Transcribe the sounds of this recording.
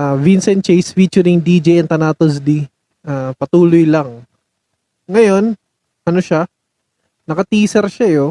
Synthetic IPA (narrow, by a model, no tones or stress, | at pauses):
avinsɛnt̪̚t͡ʃejsfiːt͡ʃʊɾɪŋd̪id͡ʒɛjɐnt̪ɐnaːt̪os̬d̪i | ʔaːpɐt̪uːlojlɐŋ | ŋɐjo̞n | ʔɐno̞ʃa | nɐkɐt̪iːsɛɾʃɐjo